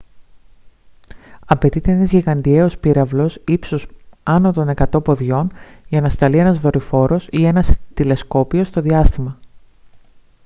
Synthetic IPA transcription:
ɐpe̞t̪it̪e̞enɐzʝiɣɐnd̪ie̞o̞spiɾɐvlo̞sipsosɐno̞t̪o̞ne̞kɐt̪o̞po̞ðʝo̞nʝɐnɐst̪ɐlie̞nɐzðo̞ɾifo̞ɾo̞sie̞nɐst̪ile̞sko̞pio̞st̪o̞ðiɐst̪imɐ

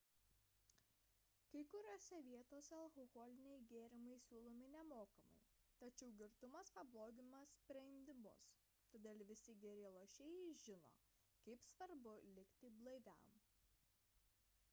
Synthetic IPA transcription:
kɐɪkʊɾʲoːsʲɛʋʲiɛt̪oːsʲɛɐlˠkɔɣɔːlʲɪnʲɛɪɡʲeːɾʲɪmɐɪsʲuːlˠoːmʲɪnʲɛmoːkɐmɐ̰ɪt̪ɐt͡ʃʲɛʊɡʲɪɾt̪ʊmɐspɐblˠoːɡʲɪmɐsʲpʲɾʲɛɪnʲd̪ʲɪmʊ̰s | t̪oːd̪ʲeːlʲˠʋʲɪsʲɪɡʲɛɾʲɛeːlˠoːʃʲɛjɛɪʒʲɪno̰ː | kɐɪpsʋɐɾbʊlʲɪkʲt̪ʲɪblˠɐɪʋʲɛ̰m

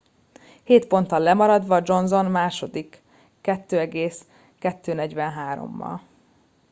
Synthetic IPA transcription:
heːt̪fo̞nt̪ɒlːɛmɒɾɒd̪ʋɒd͡ʒo̞nzo̞nmaːʃo̞d̪ikː | ɛt̪ːøːɛɡeːs | kɛt̪ːøːnɛɟʋɛnɦaːɾo̞̰mːɒ̰l

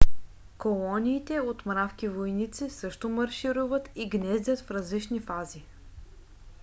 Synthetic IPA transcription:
kolˠɔniːt̪ɛot̪mɾafk̟ivojnit̪sisɤʃt̪omɐɾʃiɾuvət̪iɡnɛzd̪ʲət̪fɾɐzlit͡ʃnifazi

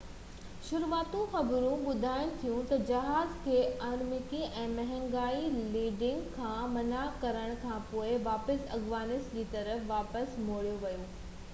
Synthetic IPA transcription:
ʃʊɾuaːt̪ũxɐbɾũɓʊd̪ʱaːɪ̃̆t̪ʰijũt̪ɐd͡ʑɐɦaːzkʰeːʔaːɾmɪkiʔɛ̃ːmɐɦə̃ŋɡaːiliːɖɪ̃ŋɡkʰːãːmɐnakɐɾəɽ̃kʰãːpoːɪʋaːpəsɐɡʋaːnɪsd͡ʑiːt̪ɐɾəfʋaːpəsmoːɽijoʋɐjoː

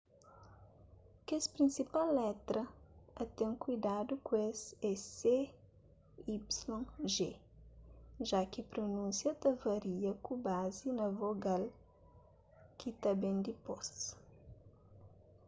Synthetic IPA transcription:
kespɾĩnsipalːɛt̪ɾɐɐt̪ɛ̃ŋkujd̪ad̪ukwesɛse | ipslõŋʒe | ʒakipɾonũnsjɐt̪ɐvɐɾiɐkubazinɐvoɡal | kit̪abẽnd̪ipɔs

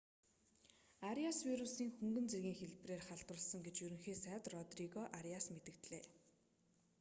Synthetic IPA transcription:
aɾiaswiɾusiːŋxɵŋɡɵ̆nt͡serɣʲiːŋxeɮpreːrχaɮt̪ʊ̆ɮsə̆ŋɡet͡ɕjɵɾɵ̆ŋxiːsæːt̪rɔt̪riɣɔʔaɾjasmet̪ɘ̆kt̪ɮeː

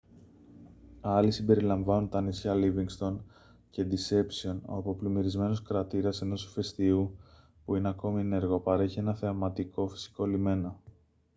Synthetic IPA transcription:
ɐlisimbe̞ɾilɐɱvɐnunt̪ɐnisçɐliviŋɡst̪o̞n | ce̞d̪ise̞psio̞no̰ɐpo̞plimiɾizme̞noskɾɐt̪iɾɐse̞no̞su̥fe̞st̪iu | puine̞ɐko̞miene̞ɾɣo̞pɐɾe̞çie̞nɐθe̞ɐmɐt̪iko̞fi̥si̥ko̞lime̞no̞

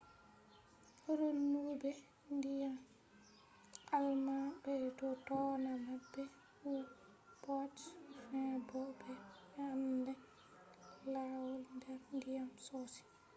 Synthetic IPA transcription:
hɾonːubɛ | ndijam | almabɛtɔtɔːnamabːɛ | u | pɔtfɛ̃bɔbɛ | amdɛ | lawɔlndɛɾndijamsɔsi̥

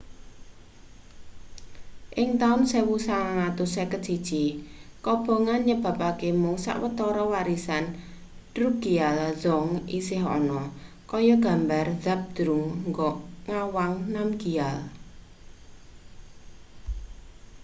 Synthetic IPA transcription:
ʔɪŋt̪aʊnsewusaaŋat̪ʊsɛkə̥ʒ̥id̥ʒ̥ikɔb̥ɔ̤ŋanɲəb̥a̤pakemʊŋsa̰ʔwət̪ɔɾɔwaɾisan | d̥ɾuɡ̥ialzɔŋisɪɦɔ̰nɔ | kɔjɔɡ̥a̤mbarð̥ap̚d̪̥ɾuŋŋɡɔʔŋawaŋnamɡ̥ial

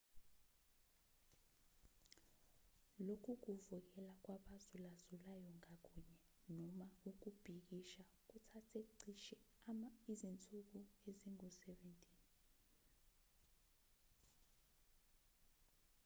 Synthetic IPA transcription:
lokʰuk̬uvuk̬ɛlak̬waɓazulazulajɔŋak̬ʼuɲɛ | nɔmauk̬ub̥ʱik̬iʃa | k̬utʰatʰeǀiʃɛ | izint͡sʼuk̬ueziŋusɛventʼiːn

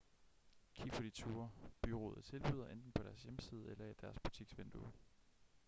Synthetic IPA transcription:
kʰifod̥it͡sʰuːɐb̥yʁo̝̰ːð̩ˠt͡sʰe̝lb̥yːð̞̰ˠɐʔend̥n̩pʰɒ̽ɾ̥æɐsjeməsiːð̞ˠelɐæd̥æɐsb̥ut͡sʰiɡ̥sʋend̥u

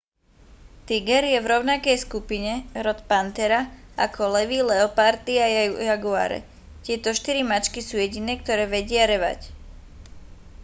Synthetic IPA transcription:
t̪iɡɛɾjɛvɾɔʊnakɛjskupiɲɛɾɔt̪pant̪ɛɾaakɔlɛʋilɛɔpaɾt̪iajaɡua̰ːɾɛ̰ | c̪ɪɛt̪ɔʃt̪iɾimat͡ʃkisuːjɛɟinɛːk̚t̪ɔɾɛːʋɛɟɪaɾɛʋa̰c

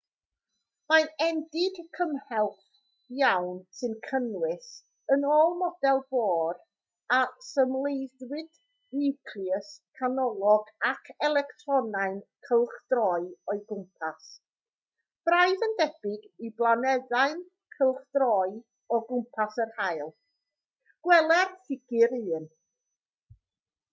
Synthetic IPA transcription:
maɛndɪɡkʰəmhɛlˠθ | jawnsɨnkʰənwɪs | ənoːlˠmɔd̥ɛlˠboːr | asəmlˠejdwɪd̥ | nɪkʰlˠiəskʰanɔlˠɔɡakʰɛlˠɛktʰrɔnaɨnkʰəlˠχd̥rɔɨɔɨɡʊmpʰas | b̥raɨðəndɛb̥ɪɡiblˠanɛðaɨn | kʰəlˠχd̥rɔɨ | ɔɡʊmpʰasərhajlˠ | ɡ̥wɛlˠɛrθɪɡ̥ɨɾɨːn

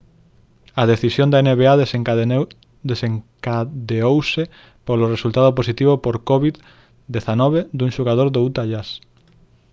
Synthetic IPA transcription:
ɐðeθisjond̪aeneβea | d̪eseŋkaðeowsɪ | poloresult̪aðoposit̪iβopoɾkɔβið | d̪eθanɔβed̪uŋʃoɣað̞oɾðout̪aʎas

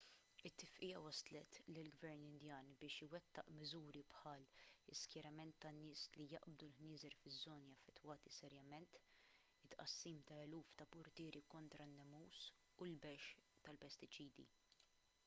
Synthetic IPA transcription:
ɪt̪ːɪfʔɪjɐwɐslɛt̪lɪlɡvɛɾnɪnd̪jɐːnbɪːʃɪwɛt̪ːɐ̰ʔmɪzuːɾipħɐːlɪskjɐɾɐmɛnt̪ːɐnːɪːslijɐʔb̚d̪ulhnɪːzɛɾfɪzːɔːniɐfːɛt̪ːwɐːt̪isɛɾjɐmɛnt̪ | ɪt̪ːʔɐ̰sːiːmt̪ɐɛluːft̪ɐpʊɾt̪ɪːɾʔikɔnt̪ɾɐnːɛmːuːs | ulbɛʃt̪ɐlpɛst̪ɪt͡ʃiːd̪ḭ

